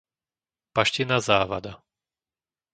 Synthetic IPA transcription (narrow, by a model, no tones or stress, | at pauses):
paʃcɛnazaːʋad̪a